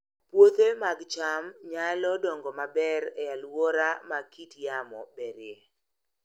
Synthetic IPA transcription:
pwot̪emaɡt͡ʃamɲalɔdɔŋɡɔmabɛɾɛalwɔɾamakitjamɔbeɾɪe

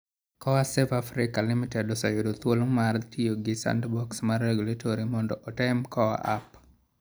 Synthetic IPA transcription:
kɔwasɛvafɾɪkalɪmitɛdɔsajodot̪wolmartijoɡɪsa̰ndbɔksmarːeɡulatʰoɾimɔndɔʔɔtɛmkɔwa̰ʔa̰p

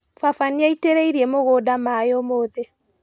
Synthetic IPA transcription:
fafaniaiteɾeiɾiemoɣoːdamajomoːðe

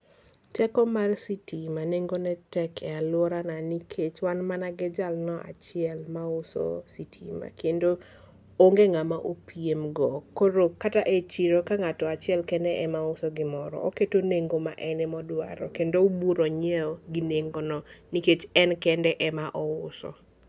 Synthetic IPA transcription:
tɛkɔmarsitimaneŋɡonɛtɛkʰɛalwɔɾananikʰet͡ʃwanmanaɡɪd͡ʒalnɔʔa̰t͡ʃɪɛlmaʊsɔ̰sitʰima̰kendo | oŋɡeŋamaʔopiemɡɔkːoɾokataʔet͡ʃiɾokaŋatɔat͡ʃɪɛlkɛndɛʔɛmaʊsɔɡɪmɔɾɔ̰oketoneŋɡoma̰ʔɛnɛmɔdwa̰ɾɔ̰kendoubuɾɔɲɛoɡineŋɡonɔniket͡ʃɛnkɛndɛʔɛmaʔɔʊsɔ̰

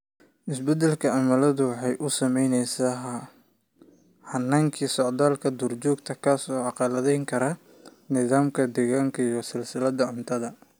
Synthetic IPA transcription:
ʔɪsbɛd̪ɛlkʰɐʕɑmɐlɐðʊwɑħɑjʔʊsɐmɛjnɛjsaɦ | hɐnːaːŋkʰiːsɔʕd̪aːlkʰɐd̪ʊrt͡ʃɔːɡt̪ʰɐkʰasɔɑqɑlɐðɛjŋkʰɐɾɐ | nɪðaːmkʰɐd̪ɛːɣaːŋkʰɐijɔsɪlsɪlɐd̪ɐʕʊnt̪ʰɐðɐ

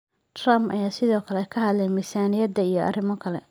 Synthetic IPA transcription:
t̪rɐmʔɐ̰jaːsɪðɔːkʰɐlɛkʰɐɦɐd̪lɛjnmisaːnɪjɐd̪ɐijɞʔɐ̰rɪmɔkʰɐlɛ̰

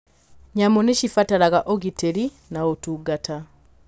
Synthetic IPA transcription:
ɲamoneʃifatalaɣaʔoɡiteɾi | naotuɡatʰa

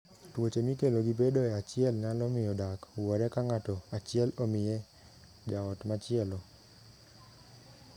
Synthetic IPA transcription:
twot͡ʃemikeloɡibedoɛat͡ʃɪɛlnalɔmɪjɔdakwɔɾɛkaŋatɔat͡ʃɪɛlomɪjɛ | d͡ʒaɔtmat͡ʃɪɛlɔ

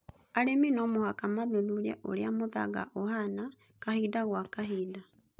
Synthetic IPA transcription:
aɾeminɔmohakamaðoðuɾɛ̰ʔo̰ɾeamoða̰ɣa̰ʔoɦana | kahidaɣwakaɦiːda

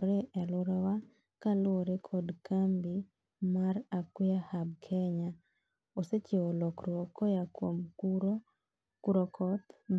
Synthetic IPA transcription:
ɾeʔɛlʊɾɔwa | kalʊoɾekʰɔdkʰambi | marakwɪahabkʰɛɲa | oset͡ʃeolɔkrwɔkɔjakwom | kuɾɔkʰɔt̪

